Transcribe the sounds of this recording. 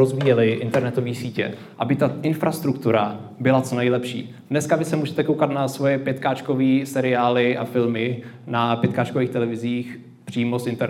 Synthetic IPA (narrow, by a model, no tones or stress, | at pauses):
ozviːjɛlɪʔɪnt̪ɛɾnɛt̪o̞viːsiːcɛ̰ | ʔabɪt̪aʔɪnfɾast̪ɾukt̪uɾabɪlat͡so̞nɛjlɛpʃḭː | dnɛskavɪsɛmuːʒɛt̪ɛkowkat̪nasvo̞jɛpjɛt̪kaːt͡ʃko̞viːsɛɾɪaːlɪʔa̰fɪlmɪ | napjɛt̪kaːt͡ʃkoviːxt̪ɛlɛvɪziːx | pr̥iːmo̞sʔɪnt̪ɛɾ